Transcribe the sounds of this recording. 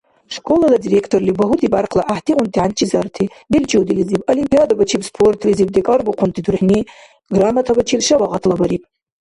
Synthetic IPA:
ʂkʼolaladirekʰtʰorlibaɦutʰibarqʰlaʔaħtʰiʁʷʊnt̪ʰiʕant͡ʃʰʼizartʰi | bilt͡ʃʰʼiwd̪ilizibolimpʰʼijad̪abat͡ʃʰipspʰortʰlizib̚d̪ekʼarbuqʰʷʊnt̪ʰʼid̪urħni | ɡramatʰabat͡ʃʰilʂawaʁatʰlabaɾipʼ

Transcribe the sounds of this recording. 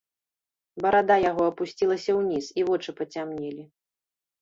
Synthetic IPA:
bɐɾad̪ajaɣɔɐpusʲt͡sʲilˠɐsʲɐwnʲisivɔt͡ʂɨpɐt͡sʲamnʲɛlʲi

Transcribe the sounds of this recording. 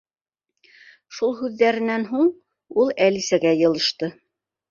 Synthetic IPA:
ʃulˠhʉðːæɾɘ̆nænɦuɴ | ulˠælisæɡæjɤ̆lˠɤ̆ʃt̪ɤ

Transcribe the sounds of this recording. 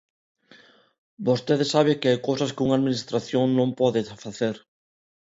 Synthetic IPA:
bost̪eðɪsaβɪkɪajkowsɐskɪuŋaðminist̪ɾaθjoŋnõmpɔðɪfaθeɾ

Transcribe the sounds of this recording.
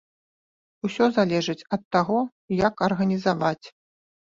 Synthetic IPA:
usʲɔzalʲɛʐɨt͡sʲɐt̪ːaɣɔ | jɐkɐrɣɐnʲizavat͡sʲ

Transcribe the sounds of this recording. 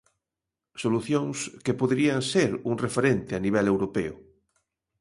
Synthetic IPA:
soluθjoŋskepoðeɾiaŋseɾuŋrefeɾent̪ɪaniβ̞ɛlewɾopeʊ̰

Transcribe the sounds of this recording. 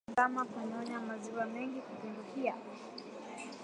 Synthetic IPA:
amakaɲɔɲamaziwamɛŋɡikupumdukia

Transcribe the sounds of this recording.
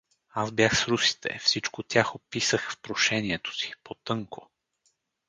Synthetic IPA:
azbjaxsɾusi̥t̪ʰɛ̰fsit͡ʃkot̪ʲjaxopisəxfpɾoʃɛnʲiɛt̪o̥si̥pot̪ɤŋko

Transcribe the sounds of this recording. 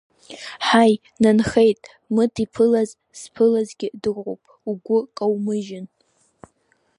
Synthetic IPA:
ħaj | nanχejtʼ | mɨtʰipʰɨlaz | spʰɨlazɡʲɪdɨqʷo̰wpʼ | uɡʷʊkʼawmɨʒɪn

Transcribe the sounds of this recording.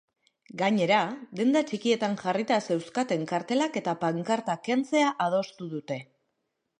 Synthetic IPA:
ɡaɲe̞ɾad̪e̞nd̪at͡ʃikie̞t̪aŋʝarit̪ase̞wskat̪e̞ŋkaɾt̪e̞lake̞t̪apaŋkaɾt̪akent͡se̞aʔað̞o̞st̪uðut̪e̞

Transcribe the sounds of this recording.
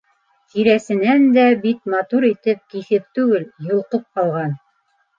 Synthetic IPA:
t̪iɾæsɘ̆nænd̪æbit̪mɑt̪uɾit̪ɘp̚kiθɘp̚t̪ʉɡɘljŏlˠqɤp̚qɑlˠʁɑn

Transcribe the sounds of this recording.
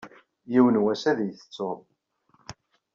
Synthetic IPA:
jiwənwæsæðjθə̥t͡sːʊɾˤ

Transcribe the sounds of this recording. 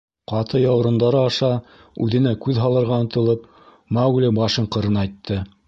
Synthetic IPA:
qɑt̪ɤjɑwɾɤ̆nd̪ɑɾɤɑʃɑ | ʉðɘ̆nækʉðɦɑlˠɤ̆ɾʁɑɤ̆nt̪ɤ̆lˠɤp | mɑwɡlʲɘbɑʃɤɴqɤ̆ɾɤnɑjt̪ʰːɤ

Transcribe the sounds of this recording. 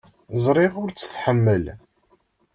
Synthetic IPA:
zˤɾˤɪʁʊɾt͡sːə̥θħəmːəl

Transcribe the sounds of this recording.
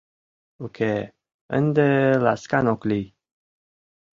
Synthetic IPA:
okʰe | ə̰nd̪elaskanokli

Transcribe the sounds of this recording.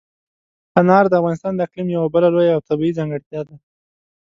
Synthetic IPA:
anɑɾd̪əafɣɑnɪst̪ɑnd̪əɪqlimjawabəlalojaːwt̪abiizɑŋɡəɽt̪jɑd̪a

